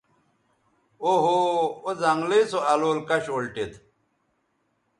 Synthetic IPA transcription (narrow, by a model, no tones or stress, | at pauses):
oɦoozɐŋɡlisoɐloːlkɐɕoːlʈet̪